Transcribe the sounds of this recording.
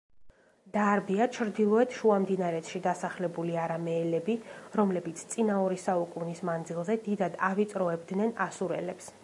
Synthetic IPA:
d̪̥aɾbiat͡ʃʰɾd̪ilˠɔɛt̪ʰʃuamd̪inaɾɛt̪ʃid̪asaχlɛbuliaɾamɛːlɛbiɾɔmlɛbit̪sʰt̪sʼinaɔɾisaukʼunismand̪zilˠzɛd̪id̪ad̪avit̪sʼɾɔɛbd̪nɛnasuɾɛ̰lɛps

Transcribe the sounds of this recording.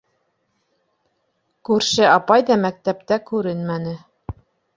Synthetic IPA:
kʉɾʃɘɑpɑjðɑmæk̚t̪æp̚t̪ækʉɾɘnmænɘ

